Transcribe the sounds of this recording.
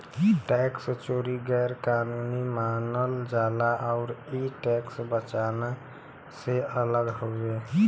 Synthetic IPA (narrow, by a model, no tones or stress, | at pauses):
ʈɛkst͡ʃoːɾiɡɛɾkanunimanəld͡ʒaːlaʔaʊɾiʈɛksbət͡ʃana | seələɡɦoe